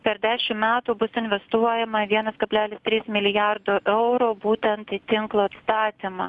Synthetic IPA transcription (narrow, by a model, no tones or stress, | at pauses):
pʲɛɾd̪ʲæːʃʲɪmmʲæːt̪uːbʊsɪnʲʋʲɛst̪uɔjɛmɐʋʲiɛnɐskɐbʲlʲæːlʲɪst̪ʲɾʲiːsmʲɪlʲɪjɑɾd̪oːʔɛʊɾoːbuːt̪ʲɛnt̪ɪt̪ʲɪŋklˠoːɐt̪st̪ɑːt̪ʲimɑ̰